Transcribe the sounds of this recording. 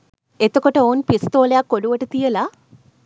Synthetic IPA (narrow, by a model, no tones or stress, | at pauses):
et̪ːokːoʈːeoːnpist̪oːljakːoluʋɐʈːɐt̪ijɐla